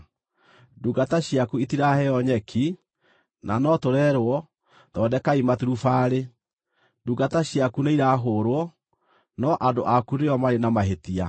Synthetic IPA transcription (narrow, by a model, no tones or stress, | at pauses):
duɡataɕjakuitiɾahɛɔɲɛkʰi | na̰nɔtoɾɛɾwɔ | dɔdɛkaimatuɾufaːɾe | duɡataɕjakuneiɾaɦoːɾwɔ | nɔʔadoʔakuɾeɔmaɾenamaɦetia̰